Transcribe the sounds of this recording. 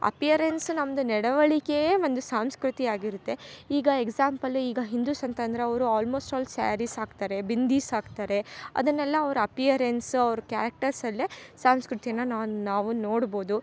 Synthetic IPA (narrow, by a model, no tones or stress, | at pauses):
ɐ̰pijɐɾensnɐmːɐd̪unɛɽɐʋɐɭikeʋond̪usaːmskɾut̪iaːɡiɾut̪ːe̞iːɡɐeɡsaːmpɐliːɡɐɦind̪uːsɐnt̪ɐnd̪ɐɾeɐʋɐɾuaːlmo̞ːsʈaːlsa̰ːɾisaːɡt̪aːɾe̞bind̪iːsaːɡt̪aːɾe̞ɐ̰d̪ɐnːɛlːɐːʋɐɾuɐpijɐɾensɐʋɾukja̰ːɾɐk̚ʈɐɾsɐlːisaːmskɾut̪ijɐnːɐnaːnaːʋuno̞ːɽbo̞ːd̪u